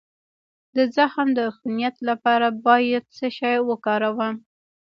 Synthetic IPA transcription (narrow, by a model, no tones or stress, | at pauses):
d̪əzaxmd̪əxunijat̪lapɑɾabɑjad̪̚səʃɑjwəkɑɾawəm